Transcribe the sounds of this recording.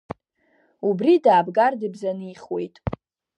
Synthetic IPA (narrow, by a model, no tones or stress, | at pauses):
ubridaːbɡardɨbzanɨiχwe̞jtʼ